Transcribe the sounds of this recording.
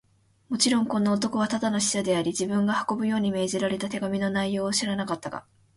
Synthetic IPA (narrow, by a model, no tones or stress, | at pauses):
mo̞t͡ɕiɾõ̞ŋkõ̞nːaot̪̬o̞ko̞β̞at̪ad̪anoɕi̥ɕad̪e̞aɾʲid͡ʑibɯ̟̃ŋɡahḁko̞bɯ̟jo̞ːɲ̟ime̞ːʑiɾaɾe̞t̪at̪e̞ɡamʲino̞naijo̞ːɕiɾanakat̪ːaɡa̰